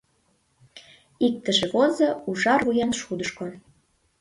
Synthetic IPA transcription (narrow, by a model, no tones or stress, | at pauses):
ik̚t̪ə̆ʒĕβozɤuʒɑrvujɑnʃud̪əʃko